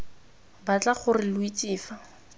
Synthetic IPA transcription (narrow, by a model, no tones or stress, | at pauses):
bat͡ɬaχʊrɪlʊit͡siːfa